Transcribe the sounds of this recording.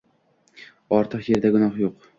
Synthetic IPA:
ɒɾt̪ʰɨqje̞ɾd̪aɡʊnɒχjoq

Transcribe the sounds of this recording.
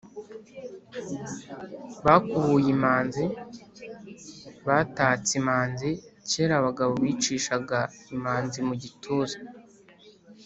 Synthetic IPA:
βakuβujimaːnzi | βataːt͡simaːnziceːɾaβaɡaβo̞βiːt͡ʃiːʃaɡaimaːnzimuɟitʰuːzḁ

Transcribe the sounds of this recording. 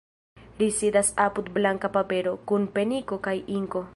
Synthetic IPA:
lisidasapud̪blaŋkapape̞ɾo̞kunpe̞niko̞kajiŋko̞

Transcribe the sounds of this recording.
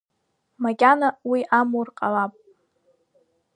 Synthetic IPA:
maɡʲʼanawiʔamurqʼalapʼ

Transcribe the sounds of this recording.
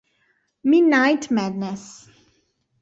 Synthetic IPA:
mɪdⁿnaɪtmædnəs

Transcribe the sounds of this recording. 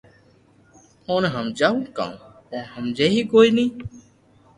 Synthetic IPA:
oːnɦəmd͡ʒaːũːkã̰ːũːt̪ɛːɦəmd͡ʒeːɦiːkoːiːnĩː

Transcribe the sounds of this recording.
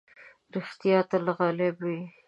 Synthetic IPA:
ɾɪxt̪ijɑt̪alaɣɑlebwi

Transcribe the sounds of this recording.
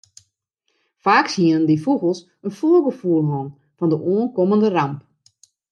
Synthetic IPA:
faːksiənəndifuɣəlˠs | ənfuəɡəfuəlˠɦɔn | fɔndəʔoːənkoməndəramp

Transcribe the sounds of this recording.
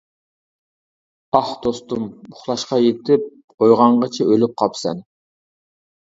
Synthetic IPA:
ɑhd̪̥ost̪umbʊχlˠɑʃqɑjet̪ɪp̚ | ojʁɑɴʁɑt͡ʃʰɛʔølyp̚qʰɑpsɛ̰n

